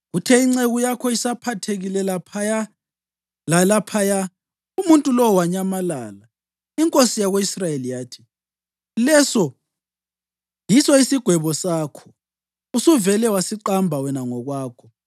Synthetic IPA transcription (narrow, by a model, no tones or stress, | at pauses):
ɣutʰɛiŋ͡ǀeɣujakʰɔisapʰatʰeɣilɛlapʰaja | lalapʰaja | umuntʼulɔwaɲamalaːla | iŋkʼosijaɣoisrajelijaːtʰi̥ | lɛsɔ | jisɔisiɡ̥ʱwɛβɔsaːkʰɔ̥ | usuvɛlɛwasiǃambʱawɛnaŋɔɣwaːkʰɔ